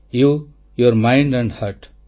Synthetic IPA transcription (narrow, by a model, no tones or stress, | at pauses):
juː | joɾmãɪ̃ɳɖæ̃ɳɖhaɾʈ